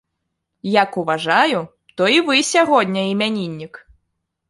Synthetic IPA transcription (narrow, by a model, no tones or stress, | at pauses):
jakuvaʐaju | t̪ɔivɨsʲaɣɔdʲnʲɐimʲanʲinʲːik